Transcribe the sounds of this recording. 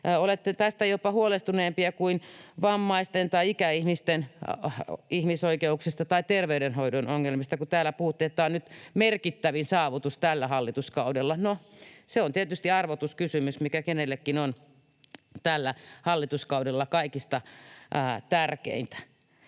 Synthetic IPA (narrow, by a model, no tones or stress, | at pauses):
olet̪ːet̪æst̪æjopɑhuolest̪uneːmpiɑkuinʋɑmːɑist̪ent̪ɑiikæihmist̪en | ihmisoikeuksist̪ɑt̪ɑit̪erʋeydenhoidonoŋːelmist̪ɑkut̪æːlːˑæpuhut̪ːeet̪ːæonnyt̪merkit̪ːæʋinsɑːʋut̪ust̪ælːæhɑlːit̪uskɑudelːɑnoseont̪iet̪yst̪iɑrʋot̪uskysymysmikækenelːekːinon | t̪ælːæhɑlːit̪uskɑudelːɑkɑikist̪ɑ | t̪ærkḛint̪æ̥